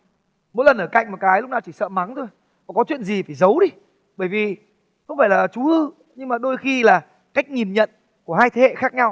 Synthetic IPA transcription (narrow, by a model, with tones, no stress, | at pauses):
mo̰˧˥lə˨˩nʔəː˧˩ka̰˧˨ŋmo˨˩t̚kaː˨˦jlʊ˦˥k͡p̚naː˨˩wt͡ɕi˧˩sə̰ː˧˨ma˨˦ŋt̪ʰo˧j | ɔ˨˩kɔ˨˦t͡ɕwḭ˧˨ənzi˨˩faː˧˩jzə˨˦wɗi˨˧˦ | ɓəː˧˩jvi˨˩ | xə˧wŋ͡mfaː˧˩jlaː˨˩t͡ɕu˨˦ʔɨ˧ | ɲɨ˧ŋmaː˨˩ɗo˧jxi˧laː˨˩ | ka˦˥jk̟̚ɲi˨˩nɲə̰˧˨n | ku˧˩əhaː˧jt̪ʰe˨˦hḛ˧˨xaː˦˥k̚ɲa˧w